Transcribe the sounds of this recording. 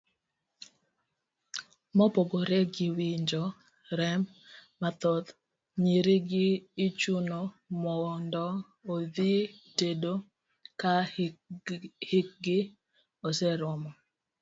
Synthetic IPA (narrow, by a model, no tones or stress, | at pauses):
mɔpoɡoɾeɡiwiɲd͡ʒɔ | ɾɛmː | at̪ɔd̪ | ɲiɾiɡɪːt͡ʃuno | mɔndɔ | od̪itedo | ka | hɪk̚ɡɪ | osɛɾɔmɔ